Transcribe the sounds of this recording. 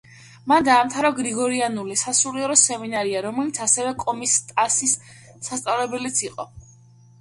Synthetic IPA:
mand̪aːmt̪ʰaɾɔɡɾiɡɔɾianulisasuliɛɾɔsɛminaɾiaɾɔmɛlit̪sʰasɛvɛkʼɔmist̪ʼasisː | ast̪sʼavlɛbɛlit̪sʰiqʼɔ

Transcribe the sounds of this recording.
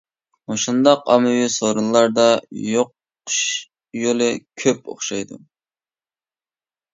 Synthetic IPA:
oʃund̪ɑqɑmɨwisoɾunlːˠɑɾd̪ɑjoqː | ʃ | jolˠɪkʲʰøpo̰χʃɑjd̪u

